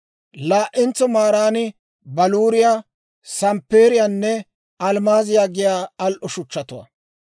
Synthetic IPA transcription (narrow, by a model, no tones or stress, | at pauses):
laːʔɪnt͡sɔmaːɾaːnɪ | bɐluːɾɪjaː | sɐmpːeːɾɪjanːɛ | ɐlmaːzɪjaːɡɪjaːɐlʔʊʃʊt͡ʃːɐt̪ʊwɐ̰